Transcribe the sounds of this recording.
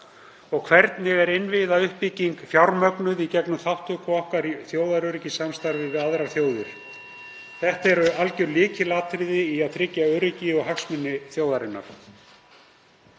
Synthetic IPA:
ɔɣkʰvɛɾt̪nɪɣɛɾɪnvɪðaʏhpːiciŋkfjawɾmœknʏðicɛknʏmθawht̪ʏkʰɔɔhkaɾiθjoːwðaɾœɾɪcɪsamst̪aɾvɪvɪðaðɾaθjoːwðʏɾ̥ | θɛht̪ɛɾalcʏɾlɪːcɪlaːt̪ʰɾɪðɪiaðθʰɾɪcːaœːɾɪcɪɔɣɦaksmɪnːɪθjowðaɾɪnːa̰ɾ̥

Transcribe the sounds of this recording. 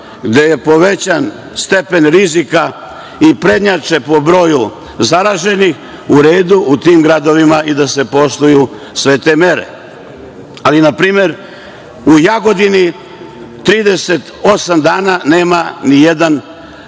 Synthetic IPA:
ɡd̪e̞je̞po̞ʋe̞t͡ɕan | st̪e̞pe̞nɾizika | ipɾe̞d̪ɲat͡ʃe̞po̞bɾo̞ːju | zaɾaːʒe̞nix | uɾe̞ːd̪uʔut̪iːmɡɾad̪o̞ʋimaid̪ase̞po̞st̪uju | sʋe̞t̪e̞me̞ɾḛ | alinapɾiːme̞ɾ | ujaɡo̞d̪ini | t̪ɾiːd̪e̞set̪o̞samd̪aːnane̞ːmanije̞d̪an

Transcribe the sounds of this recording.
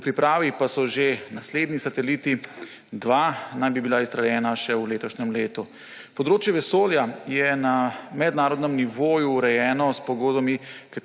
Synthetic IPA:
pɾipɾaːʋipasɔʒenasleːd̪nisat̪ɛliːt̪i | d̪ʋanajbibilaist̪ɾaljɛːnaʃɛwleːt̪ɔʃnɛmleːt̪u | pɔd̪ɾoːt͡ʃjɛʋɛsoːljajɛnamɛd̪naːɾɔd̪nɛmniʋoːjuːɾɛjɛːnɔspɔɡoːd̪bamika

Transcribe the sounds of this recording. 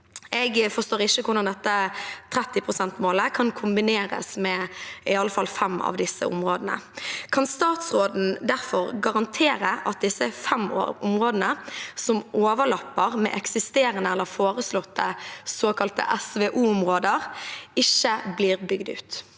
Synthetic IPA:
ɛɡfɔst̪oːʁɪʃːəkʰʊɾnɑnd̪ɛt̪ːət̪ʰɾɛt̪ːɪpʰʁʊsɛnt̪moːləkʰɑnkʰʊmbɪneːɾə̰smɛɪɑləfɑlfɛmːɑ̰ʋd̪ɪsːə̰ʊ̰mʁoːd̪ənə̰kʰɑnst̪ɑːt̪sʁoːd̪n̩d̪æɾfɔʁɡɑʁɑnt̪ʰeːɾəʔɑt̪̚d̪ɪsəfɛm̰ʊ̰mʁoːd̪ənəsɔmʔoːʋəɭɑpːəʁmɛ̰ʔɛksɪst̪eːɾənəɛlːəɾfoːʁəslɔt̪ːəsoːkʰɑlt̪ə̰ʔɛsʋeːʔuːʊmʁoːd̪əʁɪçːəbliːʁbʏɡd̪ʉ̰ːt̪

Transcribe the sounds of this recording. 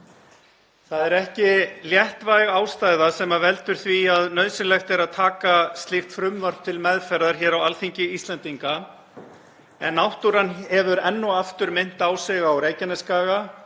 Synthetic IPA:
θaðɛɾɛhcɪljɛht̪vajɣaːwst̪ajðasɛmavɛlt̪ʏɾ̥θviaðnœðsɪlɛxt̪ɛɾaðt̪ʰaːkast̪lɪxt̪fɾʏmːaɾ̥t̪ʰɪlmɛðfɛɾðaɾ̥çɛːɾawalθiɲcɪist̪lɛnt̪iŋka | ɛ̰nːawht̪uɾanhɛvʏɾɛnːʏaft̪ʏɾmɪn̥t̪aːwsɛɣawɾejcɪnɛskaːɣa

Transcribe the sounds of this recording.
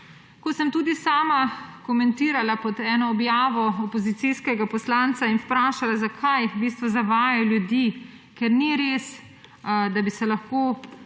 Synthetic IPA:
kɔsəmt̪uːd̪isaːmakɔmɛ̃nt̪iːɾalapɔd̪ɛːnɔːbjaːʋɔɔpɔzit̪siskɛɡapɔslant̪sainpɾaːʃalazakʰajbiːst̪ʋɔzaʋaːjajɔljud̪i | kɛɾniɾeːs | d̪abisɛlaxkoː

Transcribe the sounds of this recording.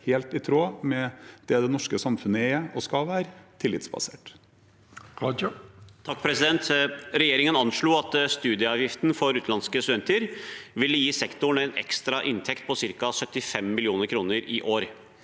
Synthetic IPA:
heːlt̪ɪt̪ʰɾoːmɛd̪̥ɛd̪ɛnɔʂkəsɑmfʉnːəeːɔskɑʋæːɾt̪ʰɪlːɪt̪sbɑ̰sḛːʈ | t̪ʰɑk̚ːpʰɾɛsɪd̪ɛnt̪ɾɛjeːɾɪŋənɑnʂɭuːɑt̪st̪ʉːd̪ɪəɑːʋjɪft̪n̩fɔɾʉːt̪lɑnskəst̪ʉd̪ɛnt̪əɾʋɪlːəjiːsɛkt̪ʊɳɛɪnɛ̰kst̪ɾɑʔɪnt̪ʰɛkt̪̚pʰɔsɪɾkɑsœt̪ːɪfɛmːɪlɪuːnəɾkʰɾuːnəɾɪʔoːɾ

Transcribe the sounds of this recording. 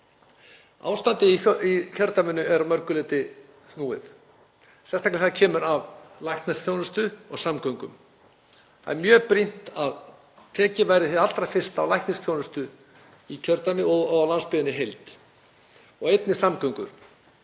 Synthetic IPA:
a̰ːwst̪ant̪ɪiicʰœɾt̪amɪnːʏɛɾamœɾkʏlɪːt̪ɪ | nuːɪ̰θ | sɛn̥st̪aklɪθaðacʰɛːmʏɾavlajhk̪nɪsθʰjownʏst̪ʏɔɣsamkœɥŋkʏ̰m | a̰ɛmjœːpɾin̥t̪að | t̪ʰɛːcɪvajɾɪθɪal̥t̪ɾajfɪr̥st̪awlajhkt̪nɪst̪θjownʏst̪ʏ | icʰœɾt̪amɪɔɣlanspɪːðɪnːɪɦejlt̪ | ɔɣejt̪nɪsamkœɥŋkʏ̰ɾ̥

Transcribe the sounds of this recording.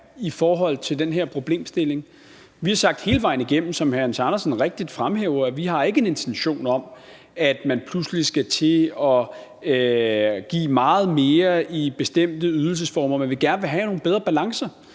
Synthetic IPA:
ifɒːɦɒ̽l̰t͡sʰe̝ld̥enɦeɐ̰pʰʁo̝b̥le̝̰ːmsd̥e̝le̝ŋ | ʋihɑ̈sɑ̈ɡ̥d̥he̝ːləʋɑ̈ɪniɡ̥em̰m̩sɒ̽mhæɐnsɑnɐsnʁeɡ̥̚d̥id̥fʁamɦeːʊɐæʋiɦɑ̈e̝ɡ̥əene̝nt͡sʰenɕo̝̰ːnɒ̽m | æd̥mænpʰluslisɡ̥æt͡sʰe̝ɒ̽ | ɡ̥ḭːmɑ̈ːð̞̩ˠme̝ːɐib̥e̝sd̥em̰d̥əyð̞ˠl̩s̬əsfɒːmɐmenʋe̝ɡ̥æɐnəʋe̝ɦæno̝ːn̩beð̞ˠʁɐb̥ælɑ̈ŋsɐ

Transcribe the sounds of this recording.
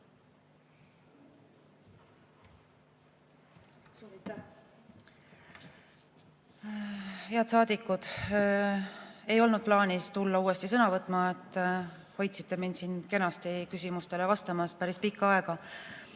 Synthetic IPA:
suː | heɑd̪sɑːd̪̥ikːud̪̥ | e̞jo̞lnud̪̚plɑːnist̪ulːɑuːe̞st̪isɤnɑvɤt̪ːˑmɑet̪ˑː | ho̞jt̪si̥t̪ːe̞mind̪siːnke̞nɑst̪ikysʲimust̪e̞levɑst̪ɑmɑspæɾispikːɑɑeɡ̥ɑ

